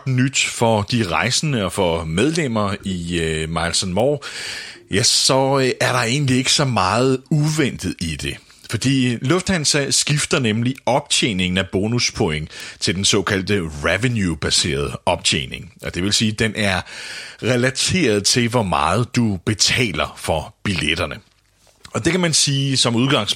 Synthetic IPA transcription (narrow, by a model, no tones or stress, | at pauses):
d̥nyd̥fɒ̽d̥iʁɑ̈ɪsənəɒ̽fɒ̽með̞ˠlem̰ɐiømɑlsɒnmɒː | jæsɒ̽ʔæɐɾ̥ɑ̈e̝ːn̩lie̝ɡ̥ə̥sɒ̽mɑ̈ːð̞̩ˠuʋen̰d̥ð̩ˠid̥e̝ | fɒ̽d̥ḭːlɔ̽fd̥hænsæsɡ̥ifd̥ɐnemliɒ̽b̥̚t͡ɕʰḛne̝ŋn̩æb̥o̝ːnuspʰoeŋ̰t͡sʰe̝ld̥ensɒ̽ːkʰæl̰d̥əʁeʋənjub̥æse̝̰ːɐð̞̩ˠəɒ̽b̥̚t͡ɕʰḛːne̝ŋɒ̽d̥e̝ʋe̝lsiːd̥enʔæɐʁɛlæt͡sʰe̝̰ːɐðˠt͡sʰe̝lʋɒmɑ̰̈ːð̞̩ˠd̥ub̥e̝t͡sʰɛ̰ːlɐfɒ̽b̥iled̥ɐnə | ɒ̽d̥e̝kʰæmænsiːsɒ̽muðˠɡ̥ɑ̈ŋ̰s